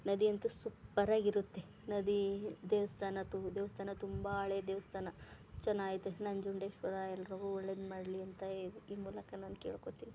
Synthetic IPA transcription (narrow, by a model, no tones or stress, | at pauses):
nɐd̪iɐnt̪usupːɐɾaːɡiɾut̪ːe̞ | nɐd̪id̪eːʋɐst̪ʰaːnɐt̪ud̪eːʋɐst̪ʰaːnɐt̪umbɐːɭed̪eːʋɐst̪ʰaːnɐ | t͡ʃɐnːaːɡit̪enɐɲd͡ʒuɳɖeːʃʋɐd̪aːjɛlɾɐʋuɔɭːed̪maːɽliɐnt̪ɐuiːmuːlɐkɐnaːnkeːɭkot̪ini